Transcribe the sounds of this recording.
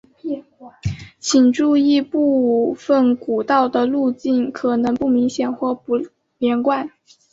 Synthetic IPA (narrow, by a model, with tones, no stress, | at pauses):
t͡ɕʰi˨˩ŋʈ͡ʂu˥˧i˥˧pu˥˧fə˥˩nku˨˩t̪ɑ˥˩ʊd̪ə˩lu˥˧t͡ɕi˥˩nkʰɤ˨˩nɤ˧˥ŋpu˥˩mi˧˥ŋɕjɛ˨˩nxwɔ˥˩pu˧˥ | ljɛ˧˥nkwa˥˩n